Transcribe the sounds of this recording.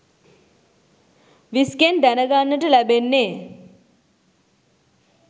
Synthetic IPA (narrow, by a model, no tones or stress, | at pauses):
ʋiskend̪ænəɡanːəʈəlæbenːeː